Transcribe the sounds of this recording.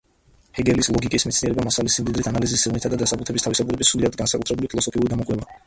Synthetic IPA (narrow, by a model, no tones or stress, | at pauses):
hɛɡɛlislˠɔɡikʼismɛt̪sniɛɾɛbamasalisimd̪id̪ɾit̪ʰanalizist̪ːɛvnit̪ʰad̪ad̪asaput̪ʰɛbist̪ʰavisabuɾɛbisːɾuliad̪̚ɡansakʼut̪ʰɾɛbulipʰilˠɔsɔpʰiuɾid̪amɔqʼwɛba